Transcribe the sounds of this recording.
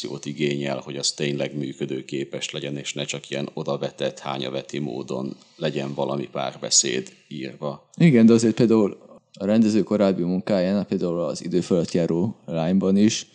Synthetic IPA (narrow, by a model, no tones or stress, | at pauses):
io̰ːt̪iɡeːɲɛ̰lho̞ɟɒzt̪eːɲlɛɡmyːkød̪øːkeːpɛʃlɛɟɛneːʃnɛt͡ʃɒkiɛno̞d̪ɒvɛt̪ɛt̪ha̰ːɲɒ̰vɛt̪imo̰ːd̪o̞n | lɛɟɛɱvɒlɒmipa̰ːrbɛ̰sḛːd̪ | iːrvɒ | iɡɛnd̪ɛɒzeːrt̪peːld̪aːul | ɒɾɛnd̪ɛzøːko̞ɾaːbːimuŋkaːjaːnapeːld̪aːulɒzid̪øːføløt̪jaːɾoːlaːɲbɒniʃ